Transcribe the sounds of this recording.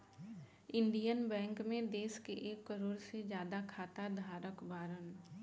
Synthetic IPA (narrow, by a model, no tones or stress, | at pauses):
ɪ̃nɖijənbɛ̃ːŋkmẽd̪eːskeʔeːkːəɾoːɾsed͡ʒjaːd̪akʰaːt̪ad̪ʱaːɾəkbaːɾən